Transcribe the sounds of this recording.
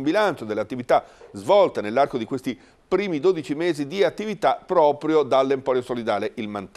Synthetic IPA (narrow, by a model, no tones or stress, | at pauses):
mbilant͡ʃod̪eleat̪ːivit̪azvɔlt̪anelːarkod̪ikwest̪i | pɾiːmid̪oːd̪it͡ʃimeːzid̪iat̪ːivit̪apːɾɔːpɾjod̪alːempɔːɾjosolid̪aːleʔilmant̪